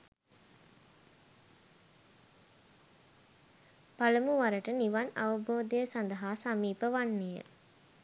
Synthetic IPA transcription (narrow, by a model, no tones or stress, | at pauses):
palɐmuʋaɾəʈəniʋɐnɐ̰ʋɐboːd̪ejəsɐnd̪ɐɦaːsamiːpəʋanːejə̰